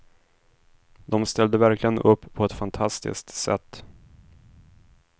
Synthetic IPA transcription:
d̪ɔmst̪ɛld̪əvæɾklɪɡənʔɵpːpʰːɔɛt̪fant̪ʰast̪ɪ̰sk̚t̪sɛ̰t̪ː

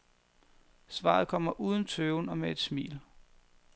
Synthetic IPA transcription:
sʋɑ̰̈ːð̞̩ˠkʰɒ̽m̰ɐʔuːð̞ˠn̩t͡sʰøːʊnɒ̽mee̝d̥smḭːl

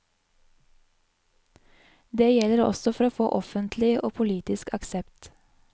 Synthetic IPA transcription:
d̪eːjɛləɾɔ̰sɔfɔɾoːfo̰ːʔɔfənt̪ʰlɪʔo̰ːpʰʊliːt̪ɪskɑksɛpt̪

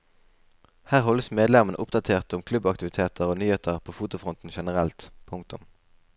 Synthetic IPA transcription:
hæːʁɦɔləsmeːd̪lɛmənə̰ʔʊpd̪ɑt̪ʰeːʁt̪ʊmkʰlʉbɑkt̪ɪʋɪt̪ʰeːt̪ʰəʁoːnyːheːt̪ʰəʁpʰoːfuːt̪ʊfʁʊnt̪n̩ʃɛnəʁɛlt̪pʰʊŋkt̪ʊm

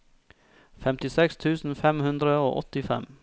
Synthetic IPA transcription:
fɛmt̪ɪsɛkst̪ʰʉːsn̩fɛmhʉnd̪ɾəo̰ːʔɔt̪ɪfɛ̰m

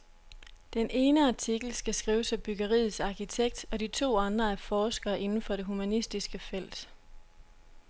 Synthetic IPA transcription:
d̥enʔe̝ːnəɑ̈t͡sʰiɡ̥l̩sɡ̥æsɡ̥ʁiːʊsæb̥yɡ̥ɐʁḭːð̩ˠsɑ̈kit͡sʰeɡ̥̚d̥ɒ̽dit͡sʰo̝̰ːɑ̈nd̥ʁɐæɐfɒːsɡ̥ɐːʔe̝nn̩fɒ̽ɾ̥e̝ɦumænisd̥isɡ̥əfel̰d̥

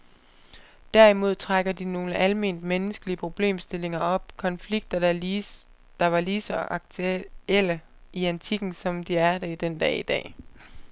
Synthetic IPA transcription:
d̥æɐ̰imo̝ð̞̰ˠt͡sʰʁaɡ̥ɐd̥ino̝ːləʔælme̝̰ːnd̥menəsɡ̥əliəpʰʁo̝b̥le̝̰ːmsd̥e̝le̝ŋɐʔɒ̽b̥̚kʰɒ̽nfliɡ̥̚d̥ɐ | d̥ɑ̈ʋɑ̈liːsɒ̽ɡ̥ʰel̰ə | iænt͡sʰiɡ̥n̩sɒ̽md̥iæɐd̥eid̥end̥ɛ̰ːid̥ɛ̰ː

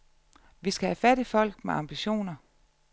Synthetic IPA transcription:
ʋisɡ̥æhæfæd̥ifɒ̽l̰ɡ̥meʔɑ̈mb̥iɕo̝̰ːnɐ

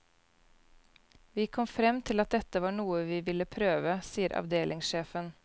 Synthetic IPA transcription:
ʋiːkʰɔmfɾɛmt̪ʰɪlɑt̪̚d̪ɛt̪əʋɑːɳuːəʋiːʋɪləpʰɾøːʋəsiːəɾʔɑ̰ʋd̪eːlʔɪŋsʃeːfən

